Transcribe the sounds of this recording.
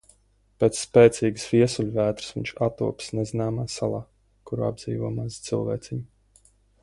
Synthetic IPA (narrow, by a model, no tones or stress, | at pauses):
peːt̪sspeːt̪sʲiːɡɨsviɛsulʲvæːt̪ɾɨ̥svʲḭɲʲt͡ʃat̪ṵɔpsnɛzinaːmaːsalˠaː | kuɾua̰b̚d̪ziːvuɔmazt̪sɨlˠvɛ̰ːt̪sʲiɲʲu